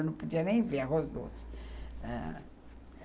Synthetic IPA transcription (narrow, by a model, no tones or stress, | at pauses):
nɐ̃w̃pod͡ʒiɐnẽj̃veɾɐɦozd̪o̰si̥ɛ̰